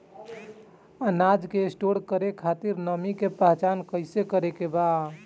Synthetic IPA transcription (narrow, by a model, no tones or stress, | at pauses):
ənad͡ʒkesʈoɽkəɾekʰat̪iɾnəmikepəɦt͡ʃankəɪsekəɾekeba